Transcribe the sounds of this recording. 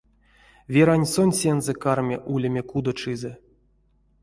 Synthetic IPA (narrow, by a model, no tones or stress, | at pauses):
vʲeɾanʲsonʲsʲenzɛkarmʲḛʔulʲemʲekud̪ot͡ʂɨzɛ